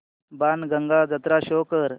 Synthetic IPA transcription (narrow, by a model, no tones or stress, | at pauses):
banɡəŋɡad͡zət̪ɾaɕoːkəɾ